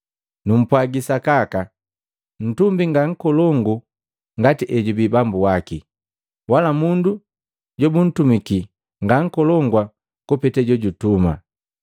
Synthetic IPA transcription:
num̩pwaɡisakaka | n̩tumbiŋɡaŋ̩kɔlɔŋɡu | ŋɡatiʔɛɟubibambuwaki | walamundu | ɟɔbun̩tumiki | ŋɡaŋ̩kɔlɔŋɡwa | kupɛtɛɟɔɟutuma̰

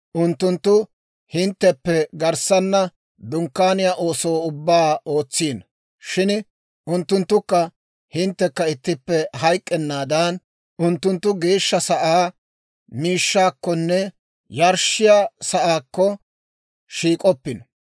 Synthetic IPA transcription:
ʔʊnt̪ːʊnt̪ːʊ | hɪnt̪ːɛpːɛɡɐɾsɐnːɐ | d̪ʊŋkːaːnɪjaːʔo̞ːsowːʊbːaːʔo̞ːt͡sːiːn | ʃɪn | ʔʊnt̪ːʊnt̪ːʊkːɐ | hɪnt̪ːɛkːɐɪt̪ːɪpːɛɦɐjkʼːɛnːaːd̪ɐn | ʊnt̪ːʊnt̪ːʊɡe̞ːʃːɐsɐʔaː | miːʃːaːkːɔnːɛ | jɐɾʃɪjaːsɐʔaːkːɔ | ʃiːkʼɔpːɪn

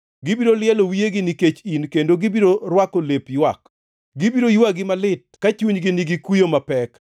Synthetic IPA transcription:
ɡɪbiɾolɪjɛlowijeɡɪniket͡ʃinkendoɡɪbiɾoɾwakolepjwak | ɡɪbiɾojwaɡɪmalɪt̚kat͡ʃuɲɡɪniɡikwijomapɛk

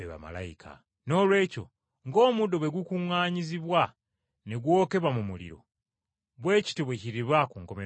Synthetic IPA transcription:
eβa̰ma̰la̰ikʰa̰ | no̞ːlwe̞ːco̞̰ | ŋɡo̞ːmudo̞βwe̞ɡukuŋaːɲiziβwa | neɡwo̞ːke̞βamumulḭɾo̞̰ | βwe̞ːci̥tiβweciɾiβwakuŋko̞me

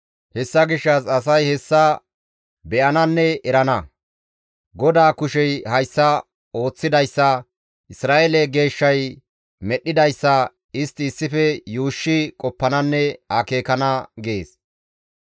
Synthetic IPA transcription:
hɛsːɐɡɪʃːɐsɐs̬ɐjhɛsːɐ | bɛʔɐnɐnːɛɛɾɐnɐ | ɡɔd̪aːkʊʃɛjhɐjsːɐ | o̞ːt͡sːɪd̪ɐjsːɐ | ʔɪsɾaːʔelɛɡe̞ːʃːɐj | mɛɗːɪd̪ɐjsːɐ | ɪst̪ɪːsːɪfɛjuːʃːɪkʼɔpːɐnɐnːɛhɐkeːkɐnɐɡeːs

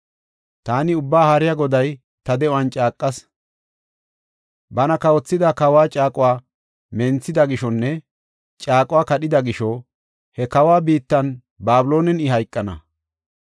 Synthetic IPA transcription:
t̪aːnɪʊbːaːhɐɾɪjɐɡɔd̪ɐj | t̪ɐd̪ɛʔʊwɐnt͡ʃʼaːkʼːɐs | bɐnɐkɐwɔt͡sːɪd̪ɐkɐwaːt͡ʃʼaːkʼʊwaː | mɛnt͡sːɪd̪ɐɡɪʃɔnːɛ | t͡ʃʼaːkʼʊwaːkɐɗɪd̪ɐɡɪʃɔ | hɛkɐwaːbiːt̪ːɐn | baːblo̞ːnɛnɪhɐjkʼːɐnɐ̰

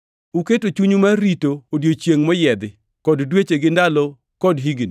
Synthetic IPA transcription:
uketot͡ʃuɲumaɾitoːdjot͡ʃjeŋmɔjɛd̪ɪ | kɔddwet͡ʃeɡɪndalɔ | kɔdɦiɡni

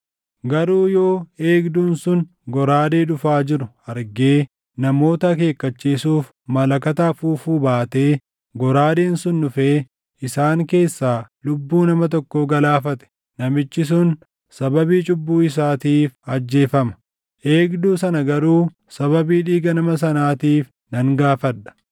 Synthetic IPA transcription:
ɡɐɾuːjo̞ːeːɡd̪uːnsʊn | ɡɔɾaːd̪e̞ːᶑ̪ʊfaːd͡ʒɪɾʊ | ɐɾɡe̞ː | nɐmo̞ːt̪ɐk̬e̞ːkːɐt͡ʃːiːsuːf | mɐlɐkɐt̪afuːfuːbaːt̪e̞ː | ɡɔɾaːd̪e̞ːnsʊnːʊfeː | ɪsaːŋke̞ːsːaːlʊbːuːnɐmɐt̪̬ɔkːoɡɐlaːfɐt̪ɛ̥ | nɐmɪt͡ʃːɪs̬ʊn | sɐbɐbiːt͡ʃʼʊbːuːɪs̬aːt̪iːfɐd͡ʒːe̞ːfɐmɐ̥ | ʔe̞ːɡd̪uːsɐnɐɡɐɾuː | sɐβɐbiːᶑiːɡɐnɐmɐs̬ɐnaːt̪iːf | nɐŋɡaːfɐᶑɐ̥

